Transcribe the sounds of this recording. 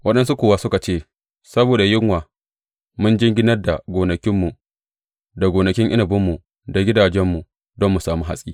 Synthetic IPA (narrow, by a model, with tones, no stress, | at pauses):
wɐ˦ɗɐ˦nsu˦kʷoː˨wa˦sʊ˦ka˨t͡ʃeː˦˨ | sɐ˦boː˨da˨jɪ˦ŋwaː˨ | mʊ˦nd͡ʒɪ˦ŋɡʲɪ˦nɐ˦rda̰˨ɡʷoː˨nɐ˨kʲɪ˦mːu˨ | da˨ɡoː˨nɐ˨kʲɪ˦ŋʔɪ̰˦nɐ˨bʊ˦mːu˨ | da˨ɡʲɪ˦daː˨d͡ʒɛ˦mːu˨ | dɔ˦mːu˨saː˨muː˦ɦa̰˨sʼiː˦